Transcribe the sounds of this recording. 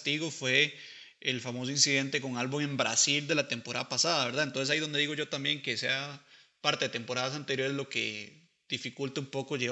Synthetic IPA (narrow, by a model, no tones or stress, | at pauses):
t̪iɣofwe̞ː | lfamo̞s̬oĩnsiðe̞nt̪e̞ko̞ŋalβuŋe̞mbɾa̰sild̪e̞lat̪e̞mpo̞ɾaðapasaðaβe̞ɾðaent̪onses̬aiðo̞nd̪e̞ðiɣo̞ʝo̞t̪ambje̞ŋke̞se̞a | paɾt̪eðet̪e̞mpo̞ɾaðas̬ant̪eɾjo̞ɾe̞zlo̞kḛ | d̪̥ifikult̪eumpo̞koʝe